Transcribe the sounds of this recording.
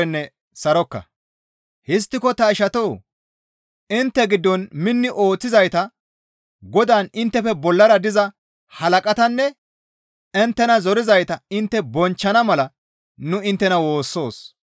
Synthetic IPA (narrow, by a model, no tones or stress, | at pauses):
ɛnːɛ | sɐɾɔkːɐ̰ | hɪs̬t̪ːɪkɔt̪ɐɪʃɐt̪oː | ɪnt̪ːɛɡɪd̪ːɔnmɪnːɪʔo̞ːt͡sːɪzɐjt̪ɐ | ɡɔd̪aːnɪnt̪ːɛfɛbɔlːɐɾɐd̪ɪzɐ | hɐlɐkʼɐt̪ɐnːɛ | ɪnt̪ːɛnɐzɔɾɪzɐjt̪ɐɪnt̪ːɛbɔnt͡ʃːɐnɐmɐlɐ | nʊɪnt̪ːɛnɐwo̞ːsːo̞ːs